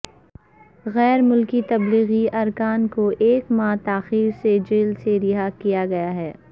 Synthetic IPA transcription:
ɣɛːɾmʊlkit̪ɐbliːɣiɐɾkaːnkoʔeːkmãːt̪aːxiːɾsed͡ʒɪːlseɾɪɦakijaɡɐjaɦɛː

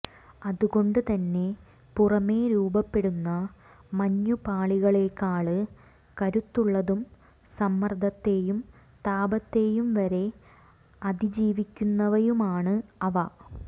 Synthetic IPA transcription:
ɐðuɣo̞ɳɖɨt̪ɐnːe̞ | purɐme̞ːɾuːbɐpːe̞ɽunːɐ | mɐɲːupaːɭiɣɐɭeːkːaːɭɨ | kɐɾut̪ːuɭːɐðum | sɐmːɐrd̪ʱɐt̪ːe̞ːjum | t̪aːbɐt̪ːe̞ːjumʋɐɾe̞ | ɐd̪id͡ʑiːʋikʲːunːɐʋɐjumaːɳɨɐʋɐ

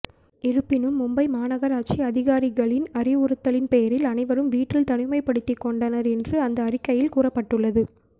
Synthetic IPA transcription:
ɪɾɯpːɪnɯmːʊmbɐɪmaːnɐɣɐɾaːt̚t͡ʃiɐðɪɣaːɾɪɣɐɭɪnɐɾɪʊɾɯt̪ːɐɭɪnpɛjɐɾɪlɐnɐɪʋɐɾɯmʋiːʈːɪlt̪ɐnɪmɐɪpːɐɽɯt̪ːikːɔɳɖɐnɐɾɛndrɯɐnd̪ɐːɾɪkːɐjɪlkuːrɐpːɐʈːɯɭːɐðɯ

